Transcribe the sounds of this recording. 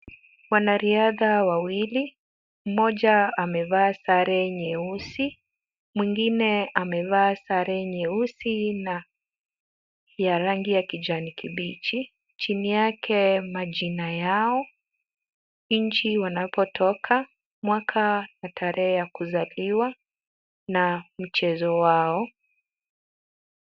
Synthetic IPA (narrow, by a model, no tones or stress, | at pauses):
wanaɾiaðawawili | m̩mɔʄaamɛvaːsaɾɛɲɛusi | mwiŋɡinɛamɛvaːsaɾɛɲɛusina | jaɾaŋɡijakid͡ʒanikiɓit͡ʃi | t͡ʃinijakʰɛmaʄinajaɔ | ɲɲ̩t͡ʃiwanapʰɔtʰɔkʰa | mwakʰanatʰaɾɛɛjakuzaliwa | nam̩t͡ʃɛzɔwaɔ